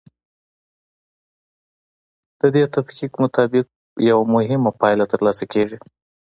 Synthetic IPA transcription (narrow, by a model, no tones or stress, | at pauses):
d̪̥əd̪et̪afqikmʊt̪ɑbɪq̚ | jawamʊhɪmapɑjlat̪əɾlɑsakeʒi